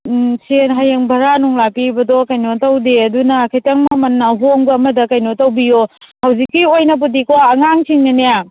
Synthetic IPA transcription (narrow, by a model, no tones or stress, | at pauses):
senɦajeŋbʱɐɾanuŋlapibɐdɔkɐjnotɐwdeɐdunɐkʰajtɐŋmɐmɐnːɐɦoŋbɐːmɐdɐkɐjnotɐwbijohɐwzikːiojnɐp̬udikoɐŋaŋsʰiŋnɐneja